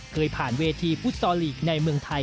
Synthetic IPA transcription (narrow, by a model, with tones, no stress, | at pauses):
kʰɤː˧jpʰaː˨˩nweː˧t̪ʰiː˧pʰu˦˥t̪̚sɔː˧liː˨˩k̚na˧jmɯ˧əŋt̪ʰa˧j